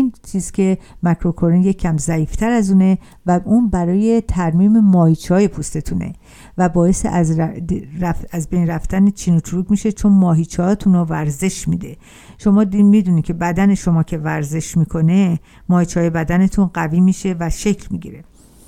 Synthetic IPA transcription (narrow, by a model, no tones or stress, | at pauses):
iːnt͡ʃʰiːz̥cʰʲe̞mækʰɾo̞kʰoɾinje̞cʰːæmzæiːft̪ʰæɾæzuːne̞ | væuːnbæɾɒːje̞t̪ʰæɾmiːme̞mɒːhiːt͡ʃʰɒːjepʰust̪e̞t̪ʰuːnḛ | væbɒːje̞sḛʔæz | ææzbejnræft̪ænet͡ʃʰiːnot̪ʰɾuːɡmiʃe̞t͡ʃʰonmɒːɦiːt͡ʃʰːt̪ʰuːnovæɾze̞ʃmḭd̪e̞ | ʃo̞mɒːd̪imid̪uːnid̪cʰe̞bæd̪æne̞ʃo̞mɒːcʰe̞væɾze̞ʃmiːkʰo̞ne | mɒːhit͡ʃʰɒːjebæd̪æne̞t̪ʰunɢæviːmiːʃe̞væʃe̞cʰlmḭɡɟḭɾe̞